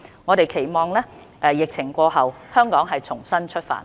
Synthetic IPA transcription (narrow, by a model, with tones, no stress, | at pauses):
ŋɔː˨˧ɾe˨jkʰe˨˩jmɔː˨˩ŋlɛː˥ | ʔɛː˨˩jɪ˨k̚t͡sʰɪ˨˩ŋkʷɔː˧ɦɐ˨w | hœː˥ŋkɔː˨˥ŋɦɐ˨jt͡ʃʰʊ˨˩ŋsɐ˥nt͡ʃʰɵ˥t̚fa̰ː˨˩n